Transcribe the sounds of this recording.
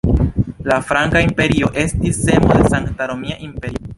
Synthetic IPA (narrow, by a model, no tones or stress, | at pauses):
lafɾaŋkaimpe̞ɾio̞ʔe̞stisːe̞mo̞de̞saŋktaɾomiaʔimpe̞ɾio